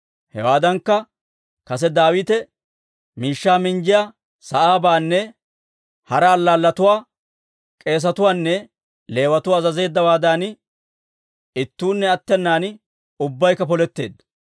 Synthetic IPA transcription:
hɛ̰waːd̪ɐŋkːɐ | kɐs̬ɛd̪aːwiːt̪ɛ | miːʃːaːmɪnd͡ʒɪjaː | sɐʔaːbaːnːɛ | hɐɾɐːlːaːlːɐt̪ʊwaː | kʼe̞ːs̬ɐt̪ʊwaːnːɛ | le̞ːwɐt̪ʊwaːzɐze̞ːd̪ːɐwaːd̪aːn | ɪt̪ːuːnːɛɐt̪ːɛnːaːn | ʊbːɐjkːɐpɔlɛt̪ːe̞̰ːd̪ːɐ

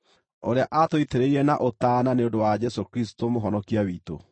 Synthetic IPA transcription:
oɾeaʔatoiteɾeiɾɛnaʔotaːnaneondowad͡ʑɛsokɾisi̥tomoɦɔnɔkiawiːto̰

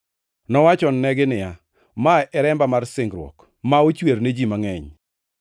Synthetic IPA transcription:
nɔwat͡ʃɔnnɛɡɪnɪja | maʔɛɾɛmbamarsɪŋɡɾwɔ̰k | maot͡ʃweɾned͡ʒimaŋɛɲ

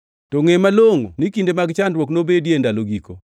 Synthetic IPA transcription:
toŋemaloŋo̰nikindemaɡt͡ʃandɾwɔknobedjendaloɡiko

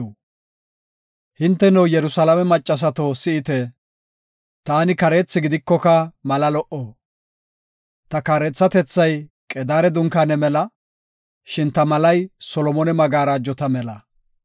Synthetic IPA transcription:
hɪnt̪ːɛnɛwjɛɾʊsɐlɐmɛmɐt͡ʃʼːɐs̬ɐt̪osɪʔɪt̪ɛ | t̪aːnɪkɐɾe̞ːt͡sːɪɡɪd̪ɪkːɔkɐmɐlɐlɔʔoː | t̪ɐkaːɾɛt͡sːɐt̪ɛt͡sːɐjkʼɛd̪aːɾɛd̪ʊŋkanɛmɛlɐ | ʃɪnt̪ɐmɐlɐjsɔlɔmɔnɛmɐɡaːɾaːd͡ʒːɔt̪ɐmɛlɐ

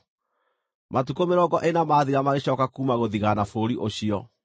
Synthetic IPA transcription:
matukomeɾɔɡɔʔenamaːðiɾamaɣeɕɔːkakuːmaɣoðiɣanafoɾiʔoɕiɔ

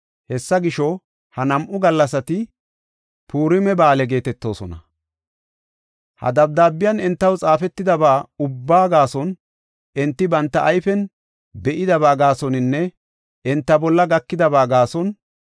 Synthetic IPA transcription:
hɛsːɐɡɪʃɔ | hɐnɐmʔʊɡɐlːɐs̬ɐt̪ɪ | pʰuːɾɪmɛbaːlɛɡe̞ːt̪ɛt̪ːo̞ːsɔnɐ̰ | hɐ̰d̪ɐb̚d̪aːbːɪjɐnɛnt̪ːɐwt͡sʼaːfɛt̪ːɪd̪ɐbaːʊbːaːɡaːsɔn | ɛnt̪ːɪbɐnt̪ːɐʔːjfɛn | bɛʔɪd̪ɐbaːɡaːsɔnɪnːɛ | ɛnt̪ːɐbɔlːɐɡɐkːɪd̪ɐbaːɡaːsɔn

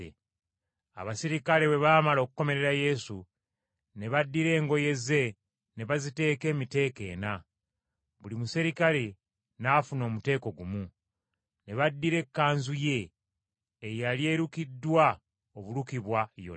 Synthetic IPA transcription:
a̰βasiɾikale̞we̞βaːmalo̞kuko̞me̞ɾe̞ɾaje̞su | ne̞βadːiɾe̞ːŋɡo̞je̞ze̞ | ne̞βazite̞ːke̞ːmite̞ːke̞̰ːna | βulimusiɾikale̞ | nafuno̞ːmute̞ːko̞ɡumu | ne̞βadːiɾe̞kːaːnzuje̞ː | jalje̞ɾukidːwa | oβuɾukiβwajo̰

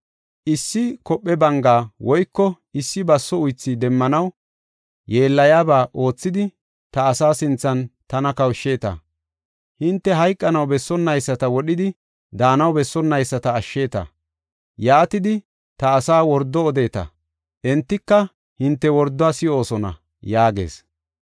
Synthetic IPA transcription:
ʔɪsːɪkɔpʼːɛbɐŋɡaːwɔjkːɔ | ɪsːɪbɐsːɔʊjt͡sːɪd̪ɛmːɐnɐw | jeːlːɐjaːbaːʔo̞ːt͡sːɪd̪ɪ | t̪ɐːsaːsɪnt͡sːɐnt̪ɐnɐkɐwʃːe̞ːt̪ɐ̰ | hɪnt̪ːɛɦɐjkʼːɐnɐwbɛsːɔnːɐjsːɐt̪ɐwɔɗɪd̪ɪ | d̪aːnɐwbɛsːɔnːɐjsːɐt̪ɐːʃːe̞ːt̪ɐ̰ | jaːt̪ɪd̪ɪ | t̪ɐːsaːwɔɾd̪ːɔːd̪e̞ːt̪ɐ̰ | ʔɛnt̪ːɪkːɐ | hɪnt̪ːɛwɔɾd̪ːɔaːsɪo̞ːsɔnɐ̰ | jaːɡe̞̰ːs

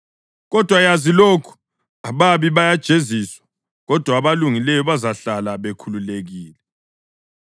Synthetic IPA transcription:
ɣɔd̥ʱwajazilokʰu̥ | aβaβiβajad̥ʒ̥ʱeziswḁ | ɣɔd̥ʱwaːβaluŋilɛjɔβazaɬalaβekʰululeɣiːlɛ

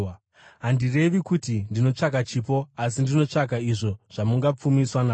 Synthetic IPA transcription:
ɦandire̞ʋikutindino̞t͡ʂakat͡ʃiːpo̞asindino̞t͡ʂakaiʐo̞ʐ̥amuŋɡap͡fumiswanaː

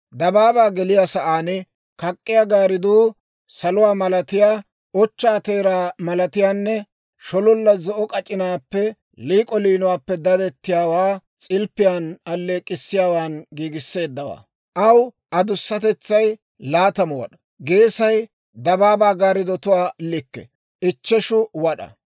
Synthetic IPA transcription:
d̪ɐbaːbaːɡɛlɪjaːsɐʔaːnɛ | kɐkʼːɪjaɡaːɾɪd̪uː | sɐlʊwaːmɐlɐt̪ɪjaː | ɔt͡ʃːaːt̪eːɾaːmɐlɐt̪ɪjaːnːɛ | ʃɔlɔlːɐzɔʔɔkʼɐt͡ʃʼɪnaːpːɛ | liːkʼɔliːnʊwaːpːɛd̪ɐd̪ɛt̪ːɪjaːwaː | t͡sʼɪlpːɪjaːnɐlːeːkʼːɪsːɪjaːwaːnɡiːɡɪsːe̞ːd̪ːɐwa̰ː | ʔɐw | ʔɐd̪ʊsːɐt̪ɛt͡sːɐj | laːt̪ɐmɔwɐ̰ɗɐ̥ | ɡe̞ːsɐj | d̪ɐbaːbaːɡaːɾɪd̪ɔt̪ʊwaːlɪkːɛ̰ | ɪt͡ʃːɛʃʊwɐɗɐ̰

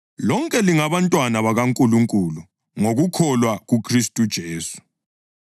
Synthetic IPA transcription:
lɔŋkʼɛliŋaβantʼwanaβaɣaŋkʼuluŋkʼulu | ŋoɣukʰɔlwaɣukʰristʼud̥ʒ̥ʱeːsu̥

